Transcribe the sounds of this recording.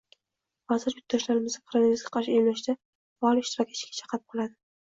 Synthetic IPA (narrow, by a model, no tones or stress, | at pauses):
hɒzɪɾjʊt̪̚d̪ɒʃlaɾɪmɪzd̪akɾaneɪzɡʲḁqʰɑɾʃɪomlaʃd̪a | bɒɒlˠɪʃt̪ɪɾɒkʲːaɪt͡ʃkʲḁt͡ʃʰɑ̥qʰɾɪp̚qʰɨlˠad̪ɪ